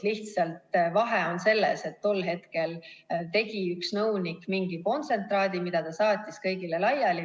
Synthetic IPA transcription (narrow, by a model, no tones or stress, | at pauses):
liht̪sɑlt̪vɑɦeo̞nse̞lːe̞se̞t̪ːo̞lɦe̞t̪ke̞lt̪e̞ɡiyksnɤwnikːmiŋɡiko̞nt̪se̞nt̪ˑrɑːd̪̥imid̪̥ɑt̪ɑsɑːt̪ʲːˑiskɤjɡile̞lɑjɑli